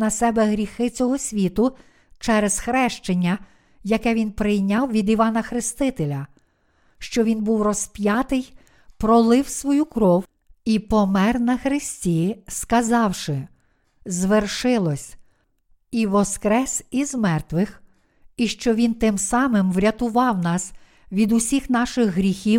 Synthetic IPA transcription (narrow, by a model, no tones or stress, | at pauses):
nɐsɛbɛɦɾʲixɪt͡sʲɔɦɔsʲʋʲit̪ʊ | t͡ʃɛɾez̥xɾɛʃt͡ʃenʲːɐ | jɐkɛʋʲinpɾɪjnʲɑwʋʲid̪iʋɑnɐxɾɪst̪ɪt̪elʲɐ | ʃt͡ʃɔʋʲinbuwrɔspʲjɑt̪ɪj | pɾɔlˠɪwsʋɔjukɾɔw | ipɔmɛrnɐxɾɪsʲtʲiskɐzɑwʃɪ | zʋerʃɪlˠɔsʲ | iʋɔskɾɛsʲizmɛrt̪ʋɪx | iʃt͡ʃɔʋʲint̪ɪmsɑmɪmʋɾʲɐt̪ʊʋɑwnɑs | ʋʲid̪ʊsʲixnɑʃɪɣɦɾʲixʲiw